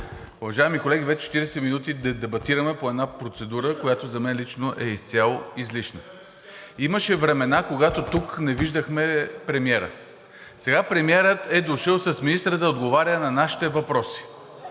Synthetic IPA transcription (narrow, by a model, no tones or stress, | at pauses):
ʊvɐʒaɛmikolɛɡʲivɛt͡ʃɛ̥t͡ʃɛt̪iɾɛsɛminut̪id̪ɐd̪ɛbɐt̪iɾəmɛpoɛd̪napɾot̪sɛd̪uɾəkojat̪ozɐmɛnlit͡ʃnoʔɛist̪sʲjalˠoizliʃnə | iməʃɛvɾɛmɛnakoɡat̪ot̪uknɛviʒd̪əxmɛpɾɛmiɛɾə̰ | sɛɡapɾɛmiɛɾət̪ɛd̪oʃəlˠsɐsminist̪ɾəd̪ɐod̪ɡovaɾʲənɐnaʃi̥t̪ɛvɐpɾɔsi̥